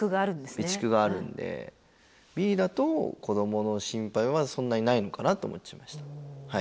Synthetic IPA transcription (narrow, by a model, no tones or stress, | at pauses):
kɯɡaːɾɯ̟̃nd̪esbʲit͡ɕi̥kɯ̟ɡaːɾɯ̟̰̃nd̪e̞̰ | bʲiːd̪at̪o̞kʰo̞d̪o̞mo̞no̞ɕĩmpaiβasõ̞nːaɲ̟inaino̞kanat̪o̰ːmot͡ɕːḁimaɕi̥t̪ḁhai